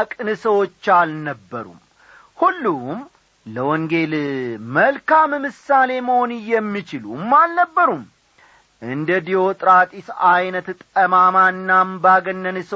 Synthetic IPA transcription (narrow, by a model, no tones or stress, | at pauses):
akʼɨnɨsəwo̞t͡ʃːalnəbːə̰ɾṵm | hulːum | ləwɔŋɡe̞lməlkammɨsale̞məho̞nɨjːɛmːit͡ʃɪlṵmːalnəbːəɾum | ʔɨnd̪əd̪io̞t̪ʼɾat̪ʼisajnət̪t̪ʼəmamaɨnːambaɡənːənɨs